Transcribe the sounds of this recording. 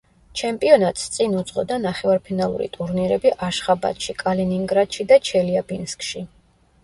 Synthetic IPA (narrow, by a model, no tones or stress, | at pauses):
t͡ʃʰɛmpʼiɔnat̪ʼst̪sʼinud̪z̥ʁɔ̰d̪anaχɛvaɾpʰinalˠṵɾḭt̪ʼuɾniɾɛbiʔaʃχaba̰t̪ʃikʼaliniŋɡɾad̪̥ʃid̪at͡ʃʰɛliabinskʰʼʃi